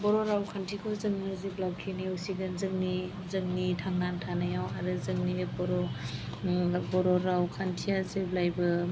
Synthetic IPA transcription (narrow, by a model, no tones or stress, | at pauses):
bɔɾɔɾawkʰantʰikʰɔzɯŋmazeblab̚kʰiniusiɡɯnzɯŋni | zɯŋnitʰaŋnantʰanajawaɾɯzɯŋnibɔɾɔ | bɔɾɔɾawkʰantʰijazeblajbɯ